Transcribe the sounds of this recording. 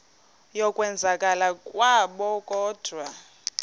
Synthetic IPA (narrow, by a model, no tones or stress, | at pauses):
jɔkʼwɛnd͡zʱakʼalakʼwaɓɔkʼɔːd̥ʱwa